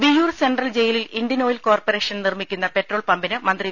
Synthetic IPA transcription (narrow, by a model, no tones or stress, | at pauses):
ʋijuːrse̞ɳɖrɐld͡ʑejililiɳɖjɐno̞ːjilko̞ːrpore̞ːʂɐnnirmikʲːunːɐpe̞ʈro̞ːɭpɐmbinɨmɐnd̪ri